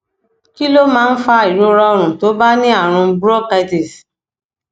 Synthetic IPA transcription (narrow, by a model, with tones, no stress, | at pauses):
ki˦lo˦mãː˦˧˦n̩˦fa˦i˨ɾo˦ɾɔ˧ɔ˧ɾ̃ũ˨to˨˦ba˦nĩ˦a˦˨ɾ̃ũ˧bɾɔ˦ka˧jti˨s